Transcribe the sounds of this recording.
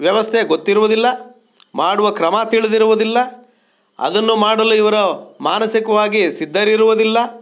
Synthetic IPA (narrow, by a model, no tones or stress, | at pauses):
ʋjɐʋɐst̪ʰeɡot̪ːiɾuʋud̪ilːɐ | maːɽuʋɐkɾɐmɐt̪iɭid̪iɾuʋud̪ilːɐ | ɐ̰d̪ɐnːumaːɽɐluiʋɐɾɐmaːnɐsikɐʋaːɡisid̪ːɐɾiɾuʋud̪ilːɐ